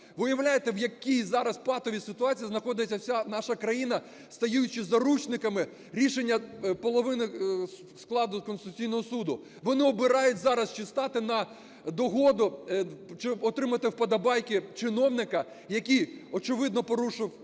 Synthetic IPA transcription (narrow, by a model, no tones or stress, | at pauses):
ʋɪjɐwlʲajet̪ɛwjɐkʲijzɑɾɐspɑt̪ɔʋʲisɪt̪ʊɑt͡sʲijiznɐxɔd̪ɪt͡sʲːɐwsʲanɑʃɐkɾɐjinɐ | st̪ɐjujʊt͡ʃɪzɐɾut͡ʃnɪkɐmɪ | ɾʲiʃenʲːɐpɔlˠɔʋɪnɪ | sklˠɑd̪ʊkɔnsɪt̪ʊt͡sʲijnɔɦɔsud̪ʊ | ʋɔnɪɔbɪɾɑjʊtʲzɑɾɐst͡ʃɪst̪ɑt̪ɪnɐ | d̪ɔɦɔd̪ʊt͡ʃɪɔt̪ɾɪmɐt̪ɪwpɐd̪ɐbɑjkɪt͡ʃɪnɔwnɪkɐ | jɐkʲijɔt͡ʃɪʋɪd̪̚nɔpɔɾuʃɪw